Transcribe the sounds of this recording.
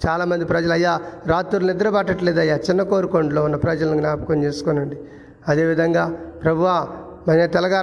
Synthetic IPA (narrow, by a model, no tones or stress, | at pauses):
t͡ʃaːlaːmɐnd̪ipɾɐd͡ʒɐlɐjːaːɾaːt̪ːuɾlɐnid̪ɐɾɐbaːʈɐʈleːd̪ɐjːaːt͡ʃinːɐkoːɾukoɳɖloːunːɐpɾɐd͡ʒɐlɐniɡnaːpɐ̥kɐnt͡ʃeːsu̥konɐɳɖi | ɐd̪e̞ːʋid̪ʱɐŋɡaːpɾɐbʱuʋaː | mɐnet̪ɛlɐɡaː